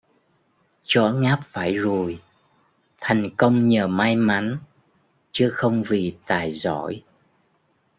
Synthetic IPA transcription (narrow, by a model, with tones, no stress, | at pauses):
t͡ɕɔ˧˥ŋaː˦˥p̚faː˧˩jzu˨˩j | t̪ʰa˨˩jŋ̟kə˧wŋ͡mɲəː˨˩maː˧jma˨˦n | t͡ɕɨ˨˧˦əxə˧wŋ͡mvi˨˩t̪aː˨˩jzɔ̰˧˩˨j